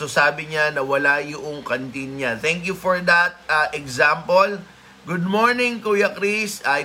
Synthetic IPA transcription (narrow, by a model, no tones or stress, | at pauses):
sosaːbɪɲanɐwɐlajʊʔoŋkɐnt̪inɲat̪ɛŋkjufɔɹd̪ɐt̪̚ɐʔɛɡzampol | ɡʊd̪̚moɹnɪ̃ŋkujɐkɾisɐj